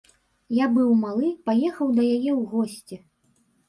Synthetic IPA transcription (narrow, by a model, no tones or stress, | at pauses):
jabɨwmalˠɨpajɛxɐwd̪ɐjajɛwɣɔsʲt͡sʲi